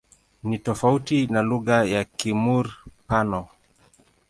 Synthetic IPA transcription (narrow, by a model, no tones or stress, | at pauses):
nitɔfautinaluɣajakimuɾpanɔ